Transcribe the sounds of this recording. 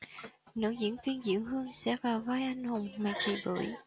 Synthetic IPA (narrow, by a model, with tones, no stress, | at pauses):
nɨ̰˧˥zḭ˧˥ənvi˧ənzḭ˧˥əwɦɨ˧əŋsɛ̰˧˥vaː˨˩wvaː˧˦jʔa˧jŋ̟ho˨˩ŋ͡mmaː˨˩t͡ɕḭ˨˩ɓɨ̰˧˩˥j